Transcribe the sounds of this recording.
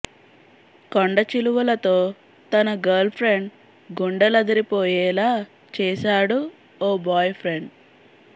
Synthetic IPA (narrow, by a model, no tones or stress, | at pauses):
koɳɖɐt͡ʃiluʋɐlɐt̪oː | t̪ɐnɐɡɐːɾlpʰɾeɳɖ | ɡuɳɖɐlɐd̪ɐɾipɔːjɛːlaː | t͡ʃɛːʃaːɽu | ɔːbaːjpʰɾeɳɖ